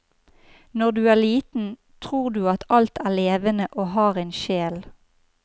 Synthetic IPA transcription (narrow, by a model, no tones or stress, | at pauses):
nɔʁd̪ʉːæːʁliːt̪n̩ | t̪ʰʁuːʁd̪ʉːɑt̪ʰɑlt̪ʰæːleːʋənəʔoːhɑːʁæɪnʃeːl